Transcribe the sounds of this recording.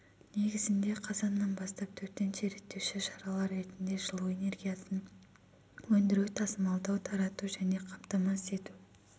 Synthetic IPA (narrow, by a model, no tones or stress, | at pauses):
ne̞ɡʲɪzɪnd̪e̞qʰɑzɑnːɑnbɑst̪ɑp̚t̪ʰɵɾt̪ːe̞nʃeɾe̞t̪ːewʃɪʃɑɾɑlˠɑɾɾe̞t̪ɪnd̪e̞ʒəlˠue̞ne̞rɡʲijasən | wɵnd̪ɪɾut̪ʰɑsəmɑlˠd̪ɑwt̪ʰɑɾɑt̪uʒæne̞qʰɑmt̪ɑmɑse̞t̪u